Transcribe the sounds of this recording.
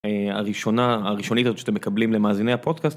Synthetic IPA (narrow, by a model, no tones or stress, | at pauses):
ea̰ʁiʃo̞naːʁiʃo̞nit̪azott͡ʃʃḁt̪emːekablimlemaːzinejhapo̞d̪kast̪